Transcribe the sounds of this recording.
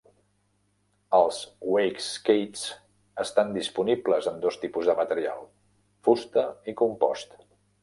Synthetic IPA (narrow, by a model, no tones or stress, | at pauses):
əlˠzwejkskejts | əst̪and̪ispunibləzəmd̪ost̪ipuzðəmət̪əɾia̰lˠ | fust̪əikumpɔ̰st̪